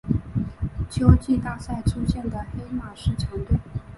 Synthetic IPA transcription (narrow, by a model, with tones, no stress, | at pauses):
t͡ɕʰjo˥ʊt͡ɕi˥˩t̪a˨˩sa˥˩ɪʈ͡ʂʰu˥ɕjɛ˥˩nd̪ə˩xe˥ɪma˨˩ʂɻ̩˥˩t͡ɕʰjɑ˧˥ŋt̪we˥˩